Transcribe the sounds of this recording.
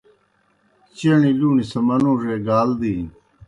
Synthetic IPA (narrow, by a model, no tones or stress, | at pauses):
t͡ɕɐɳiluːnisɐmɐnuːʐeːɡaːld̪iː